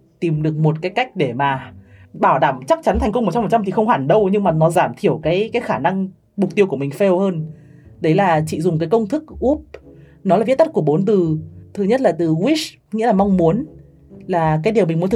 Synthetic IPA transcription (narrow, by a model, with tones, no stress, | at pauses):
t̪i˨˩mɗɨ˨˩ək̚mo˨˩t̚kaː˨˦jka˦˥jk̟̚ɗe˧˩maː˨˩ɓaː˧˩wɗaː˧˩mt͡ɕa˦˥k̚t͡ɕa˨˦nt̪ʰa˨˩ŋ̟kə˧wŋ͡mm̚˨˩t͡ɕɔ˧m̚˨˩t͡ɕŋ͡mt̪i˨˩xə˧wŋ͡mhaː˧˨˩nɗə˧wɲɨ˧ŋmaː˨˩nɔ˨˦zaː˧˩mt̪ʰi˧˩əwkaː˨˦jkaː˨˦jxaː˧˩na˧ŋ | mʊ˨˩k͡p̚t̪i˧əwku˧˩əmï˨˩ŋ̟fɛ˧whəː˧n | ɗə˨˦jlaː˨˩t͡ɕḭ˧˨zʊ˨˩ŋ͡mkaː˨˦jkə˧wŋ͡mt̪ʰɨ˦˥k̚ʔu˦˥p̚nɔ˨˦laː˨˩vt̪̚ə˥t̚ku˧˩əɓo˨˦nt̪ɨ˨˩t̪ʰɨ˨˩ɲə˦˥t̚laː˨˩t̪ɨ˨˩ɣwi˦˥s | ŋḭ˧˥laː˨˩mɔ˧wŋ͡mmu˨˦ən | laː˨˩kaː˨˦jɗi˨˩əmï̟˨˩mu˨˦t̪ʰ